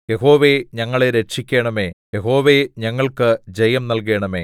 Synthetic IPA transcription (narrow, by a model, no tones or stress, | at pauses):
jeɦo̞ːʋeɲɐŋːɐɭeɾetʂikʲːeːɳɐmeːjeɦo̞ːʋeɲɐŋːɐɭkɨd͡ʑejɐmnɐlk̬e̞ːɳɐme̞̰ː